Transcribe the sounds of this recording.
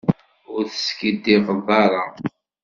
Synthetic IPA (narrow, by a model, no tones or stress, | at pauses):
ʊɾθə̥skid̪ivəðˤɑɾˤɑ